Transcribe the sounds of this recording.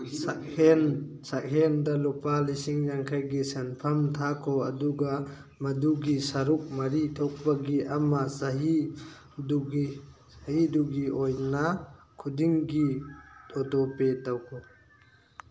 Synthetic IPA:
sak̚hensak̚ɦendɐlɔpalisiŋjaŋkʰajɡisenpʰɐmtʰakʰɔɐduɡa | mɐduɡisɐɾuk̚mɐɾitʰɔk̚baɡiʔamɐsɐɦi | duɡi | shiduɡiɔjna | kʰudiŋɡitʰɔtɔpetawkʰo

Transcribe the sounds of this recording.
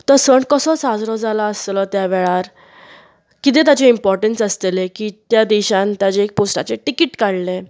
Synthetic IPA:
t̪əsəɳkəsɔsad͡zɾɔd͡zalaəst̪lɔt̪jaʋeɭaɾ | kit̪ẽt̪jat͡ɕeimpɔɾʈənsəst̪elekiːt̪jad̪iɕant̪jat͡ɕeːk̚posʈa̰t͡seʈikiʈkaɽle

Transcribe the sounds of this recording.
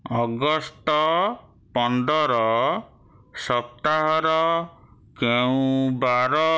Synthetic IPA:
ɔɡɔst̪ɔ | pɔnd̪ɔɾɔ | sɔp̚t̪aɦɔɾɔ | keũbaɾɔ

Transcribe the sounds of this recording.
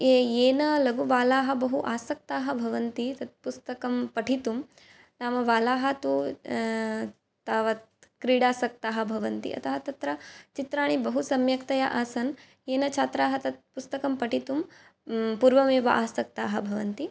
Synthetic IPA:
eeːnɐlɐɡuʋaːlaːɦɐ̆bɐɦuʔaːsɐk̚t̪aːɦɐ̆bʱɐʋɐnt̪it̪ɐt̪̚pust̪ɐkɐmpɐʈʰit̪um | naːmɐʋaːlaːɦɐt̪u | t̪aːʋɐt̪kɾiːɽaːsɐk̚t̪aːɦɐ̆bʱɐʋɐnt̪ḭʔɐ̰t̪ʰɐɦɐt̪ɐt̪ɾɐt͡ʃit̪ɾaːɳ̃ibɐɦusɐmjɐkt̪ɐjaʔaːsɐn | eːnɐt͡ʃʰaːt̪ɾaːɦɐt̪ɐt̪̚pust̪ɐkɐmpɐʈit̪um | puːɾʋɐmeːʋɐ̰ʔaːsɐk̚t̪aːɦɐ̆bʱɐʋɐnt̪i

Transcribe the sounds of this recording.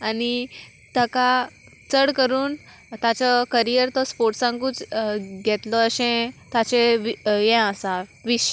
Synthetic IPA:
ani | t̪əka | t͡səɽkəɾuːn | t̪at͡ɕɔkəɾijəɾt̪ɔspoɾʈsãŋɡuːt͡sɡʱɛt̪lɔəɕẽt̪at͡ɕeʋjɛ̃əsaʋiɕ

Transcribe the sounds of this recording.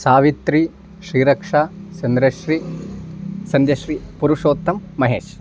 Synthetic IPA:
saːʋit̪ɾi | ʃɾiːɾɐkʂaːt͡ʃɐnd̪ɾɐʃɾiː | sɐnd̪jɐʃɾiːpuɾuʂoːt̪ːɐmːɐɦḛːʃ

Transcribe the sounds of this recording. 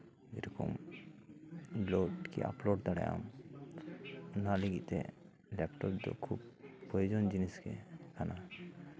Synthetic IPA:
ḛɾɔko̰m | loʈkḭa̰ploɖd̪aɽaja̰m | naliɡit̪ḛ | lɛpʈɔpd̪o̰kʰubpːɾojod͡ʒond͡ʑiniskekʰana

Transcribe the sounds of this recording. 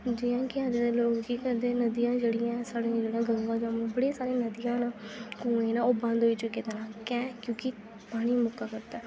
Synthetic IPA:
d͡ʒɪjãːkɪãːd̪eːd̪eloːkɡiːkəd̪eːnəd̪ɪjãːd͡ʒeːɽɪjãːsaːɽẽːd͡ʒeːɽãːɡə̃ŋɡãːd͡ʒaːmẽːbəɽeːsaːɾẽːnəd̪ɪjãːnkũːẽːnaːoːbə̃nd̪ɦoːiːt͡ʃʊkːeːd̪enãːkɛ̃ːkjõːkɪ | paːɽ̃iːmʊkaːkəɾt̪aː

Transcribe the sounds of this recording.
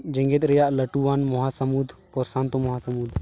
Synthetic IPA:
d͡ʒə̃ŋɡet̪ɾəjaʔləʈuʋanmɔɦasəmud̪ʱpɔɾsãnt̪omɔɦasəmud̪ʱ

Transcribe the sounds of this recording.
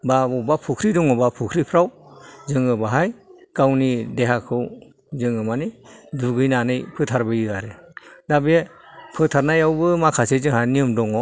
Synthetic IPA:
babɔwbapʰukʰɾidɔŋɔbapʰukʰɾipʰɾawzɯŋɯbaɦajkawnideɦakʰɯw | zɯŋɯmaniduɡɯjnanɯjpʰɯtʰaɾbɯjɯaɾedabe | pʰɯtʰaɾnajawbɯmakʰasezɯŋɦajniɯmdɔŋɔ

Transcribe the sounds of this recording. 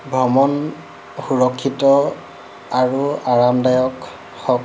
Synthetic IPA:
bʱɹɔmɔn | xuɹɔkʰːitɔ | aɹuaɹamdajɔk | xɔk

